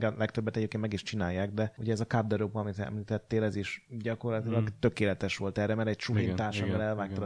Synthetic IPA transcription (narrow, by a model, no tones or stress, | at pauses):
ɡɛlɛkt̪øbːɛt̪ɛɟeːp̚kenmɛɡiʃt͡ʃinaːjːaːɡd̪ɛhuɟɛɛzɒkab̚d̪ɛɾopɒmit̪ɛ̰mliːt̪ɛt̪ːeːlɛziʃɟɒko̞rlɒt̪ilɒɡt̪ø̞keːlɛt̪ɛʃʋo̞lt̪ɛrɛmɛɾɛɟ̚t͡ʃuɾint̪aːʃɛɛlɛlvaːk̚t̪ɒ